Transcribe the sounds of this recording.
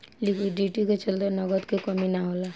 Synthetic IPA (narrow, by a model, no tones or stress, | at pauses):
likiɖiʈiket͡ʃəld̪enʌɡəd̪kekʌminaɦola